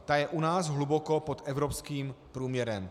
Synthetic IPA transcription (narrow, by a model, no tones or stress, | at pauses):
t̪ajɛʔunaːsɦluboko̞pot̪ʔɛvɾopskiːmpɾuːmɲɛɾɛm